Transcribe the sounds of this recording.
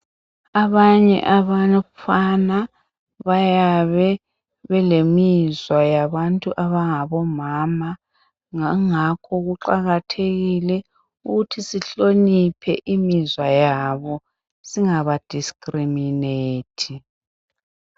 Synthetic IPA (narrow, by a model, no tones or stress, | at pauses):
aβaɲɛ̰ʔaβafana | βajaβɛ | βɛlemizwajaβantʼuʔaβaŋaβɔmama | ŋakʰɔɣuǃaɣatʰeɣilɛ | uɣutʰisiɬonipʰɛʔimizwajaβɔ | siŋaβad̥ʱiskʼrimineːtʰi